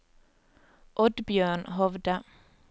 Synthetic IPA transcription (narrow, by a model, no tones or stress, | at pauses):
ʔɔd̪bjøːɳɦɔʋd̪ə